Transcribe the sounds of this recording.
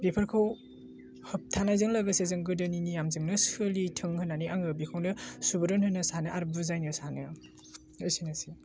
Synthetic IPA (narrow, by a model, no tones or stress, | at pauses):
bepʰɐɾkʰaw | hɐp̚tʰanajzɯŋlaɡɯsezɐŋɡɯdɯninijamzɯŋnɯsɯlitʰɯŋhɯnaniaŋɯbikʰawnɯsubɯɾɯnhɯnɯsanɯʔaɾbuzajnɯsanɯ | ɯsinasi